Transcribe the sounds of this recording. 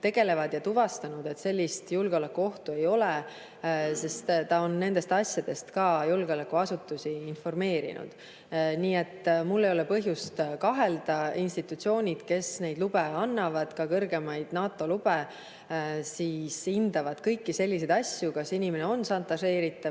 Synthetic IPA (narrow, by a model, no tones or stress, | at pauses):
t̪e̞ɡ̥e̞le̞vɑd̪̥jɑt̪uvɑst̪ɑnud̪̥et̪se̞lʲːist̪julɡ̥eo̞lekːˑuo̞ht̪ue̞jo̞le | se̞st̪t̪ːɑo̞nːe̞nd̪e̞st̪ɑsʲjɑd̪̥e̞st̪kɑːjulɡ̥eolekːˑuɑsut̪ːˑusiːnfo̞rme̞ːɾḭnʔṵd̪̥ | niːe̞t̪ːˑmulːejo̞le̞pɤɦjust̪kɑɦe̞ld̪ɑinst̪it̪ːˑut̪sio̞ːnʲid̪̥ke̞sne̞jd̪lub̥e̞ɑnːɑvɑd̪̥kɑkɤrɡe̞mɑjd̪̥nɑːt̪ːˑo̞lub̥e | siːsind̪̥ɑvɑd̪̥kɤjkːise̞lʲːis̬e̞d̪ɑsʲjukɑsinʲime̞ne̞o̞nsɑnt̪ːˑɑse̞ːɾit̪ːˑɑ